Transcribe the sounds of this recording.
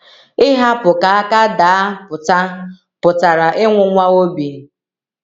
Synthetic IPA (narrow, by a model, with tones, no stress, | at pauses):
ɪ˦ɦa˦pʊ˨ka˨a˦ka˦daː˨a˦pʊ˨ta˦ | pʊ˨ta˨ɾa˨ʔɪ˦ŋʷʊ˨ŋʷa˦o˦bi˨